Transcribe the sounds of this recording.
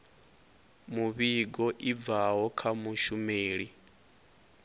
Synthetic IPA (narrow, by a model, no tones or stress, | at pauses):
muβiɡɔʔib̪vaɦɔkʰamuʃumeːɺi